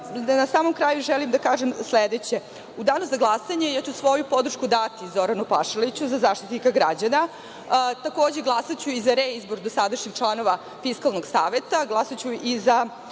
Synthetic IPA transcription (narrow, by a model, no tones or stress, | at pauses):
nasaːmo̞mkɾaːjuʒelimd̪akaːʒemsled̪et͡ɕe | ud̪aːnozaɡlˠasaɲe̞jat͡ɕusʋo̞jupo̞d̪r̩ʃkud̪at̪izo̞ɾanupaʃelit͡ɕuzazaːʃt̪i̥t̪nikaɡɾad͡ʑana | t̪ako̞ːd͡ʑeɡlˠasat͡ɕuizaɾeizbo̞ɾd̪osad̪aʃɲixt͡ʂlˠanoʋa | fiskalˠnoɡsaːʋet̪aɡlˠasat͡ɕuiza